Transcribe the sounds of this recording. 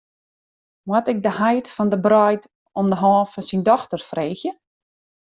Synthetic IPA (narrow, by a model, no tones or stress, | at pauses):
wwɔtɪk̚dəhajtfɔndəbrɔjt | ɔmdəɦɔːfɔnsindɔxtərfreːxjə